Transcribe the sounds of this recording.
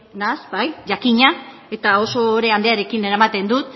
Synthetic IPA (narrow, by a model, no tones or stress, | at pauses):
nasbajʝakiɲa | e̞t̪ao̞so̞ːɾe̞and̪e̞aɾe̞kineɾamat̪e̞nd̪ut̪